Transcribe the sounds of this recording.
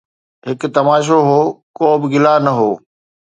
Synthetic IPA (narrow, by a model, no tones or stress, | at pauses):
ɦɪkt̪ɐmaːʃ̬oɦoːkoːbɪɡɪlanɐɦoː